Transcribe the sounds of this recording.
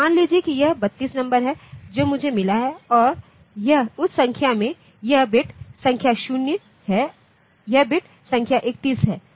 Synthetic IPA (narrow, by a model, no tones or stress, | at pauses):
maːnlid͡ʒijekijɐɦbɐt̪ːiːsnɐ̃mbəɾɦɛd͡ʒoːmʊd͡ʒʱemɪlaɦɛɔːɾ | jɐɦʊssɐ̃ŋkʰjamẽ | jɐɦbɪʈʰsɐ̃ŋkʰjaʃʊnjə | ɦɛ | jɐɦbɪʈʰ | sɐ̃ŋkʰjaʔeːk̚t̪iːsɦɛː